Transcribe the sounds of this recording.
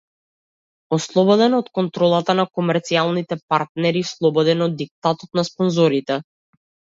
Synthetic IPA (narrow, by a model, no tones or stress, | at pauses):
ɔslˠɔbɔd̪ɛnɔt̪kɔnt̪ɾɔlˠat̪anakɔmɛɾt̪sialˠnit̪ɛpaɾt̪nɛɾislˠɔbɔd̪ɛnɔd̪ik̚t̪at̪ɔt̪naspɔnzɔɾit̪ɛ